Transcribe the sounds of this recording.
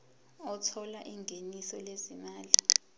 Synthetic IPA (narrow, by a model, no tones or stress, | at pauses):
ɔtʰɔlaʔiŋɡʱenisɔlezimaːli